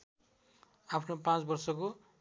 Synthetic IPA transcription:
apʰnopãt͡sbʌrsʌko

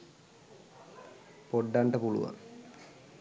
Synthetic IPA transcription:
poɖːaɳʈəpulṵʋa̰n

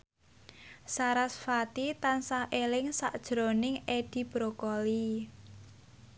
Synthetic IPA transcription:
saɾasfat̪it̪ansahʔelɪŋsaʔd̥ʒ̥ɾo̤nɪŋeɖ̥i̤b̥ɾokɔli

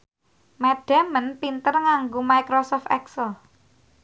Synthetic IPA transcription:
mɛɖ̥ɛ̤mənpint̪ərŋaŋɡomajkɾɔsɔft̪ɛ̰ksəl

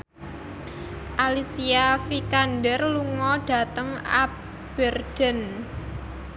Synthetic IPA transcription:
ʔalisiafikandərluŋɔɖ̥ä̤t̪əŋa̰ | b̥ɛrd̥ə̤n

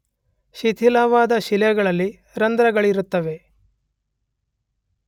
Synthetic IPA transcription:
ʃit̪ʰilɐʋaːd̪ɐʃilɛɡɐɭɐlːi | ɾɐnd̪ɾɐɡɐɭiɾut̪ːɐʋe̞

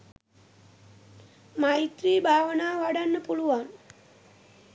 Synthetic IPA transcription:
mait̪ɾiːbʱaːʋənaːʋaɖanːəpuluʋaŋ

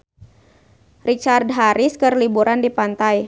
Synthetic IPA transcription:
rit͡ʃard̪ɦaɾiskɨrlibuɾandipant̪aj

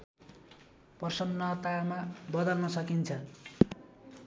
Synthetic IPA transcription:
pʌrsʌnːʌt̪amabʌd̪ʌlnʌsʌkint͡sʰʌ

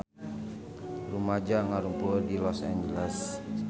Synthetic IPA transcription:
rumad͡ʒaŋaɾumpurdilɔsa̰ɲd͡ʒɛlɛs

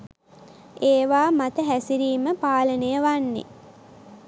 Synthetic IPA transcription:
eːʋaːmat̪əɦæsiɾiːməpaːlənəjəʋanːḛ

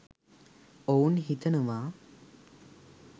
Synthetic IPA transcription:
ounɦit̪ənuʋaː

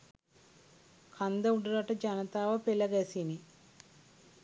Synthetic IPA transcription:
kʰand̪əuɖuɾaʈəd͡ʒanət̪aːʋəpelɐɡɛsini

